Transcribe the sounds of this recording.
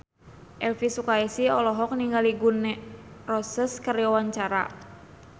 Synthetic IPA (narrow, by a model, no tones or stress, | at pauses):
ʔɛlfisukaɛsiɔlɔɦɔk̚niŋɡaliɡunːɛrɔsəskəɾjɔwaɲt͡ʃaɾa̰